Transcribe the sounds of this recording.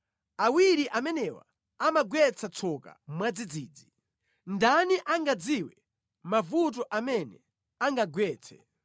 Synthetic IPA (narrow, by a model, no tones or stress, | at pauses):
awiɾiʔamɛnɛwa̰ | amaɡwɛt͡sʰat͡sʰɔka̰mwad͡zid͡ziːd͡zi | ndaniʔaŋɡad͡ziwɛ | mavut̬ɔʔamɛnɛ̰ | aŋɡaɡwɛːt͡sʰɛ̰